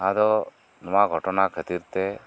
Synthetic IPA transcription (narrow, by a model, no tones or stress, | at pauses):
ad̪ɔ | nɔmaɡʱɔʈɔnakʰət̪iɾt̪ɛ